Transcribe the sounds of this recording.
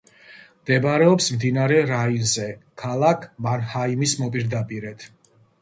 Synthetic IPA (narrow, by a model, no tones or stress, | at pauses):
md̪̥ɛbɾɛɔpsmd̪inaɾɛɾainzɛkʰalˠakʰmanhaimismɔpʼiɾd̪apʼiɾɛt̪ʰ